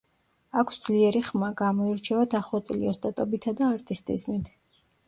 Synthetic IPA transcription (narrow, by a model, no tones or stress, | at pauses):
akʰsd̪z̥liɛɾiχmaɡamɔiɾt͡ʃʰɛvat̪ʰaχˠɔt̪sʼliɔst̪ʼat̪ʼɔbit̪ʰad̪aːɾt̪ʼist̪ʼḭzmit̪ʰ